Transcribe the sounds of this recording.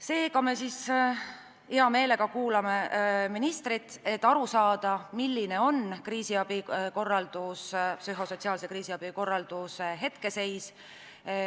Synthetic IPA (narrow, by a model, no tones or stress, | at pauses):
se̞ːkɑme̞sis | iɑme̞ːle̞ɡ̥ɑkuːlɑme̞minist̪ɾit̪ːˑe̞t̪ːˑɑɾusɑːd̪̥ɑmilːine̞o̞nkriːsiɑb̥iko̞rːɑld̪̥ussyɦo̞so̞t̪siɑːlse̞kriːsiɑb̥iko̞rːɑld̪̥usɦe̞t̪ke̞se̞js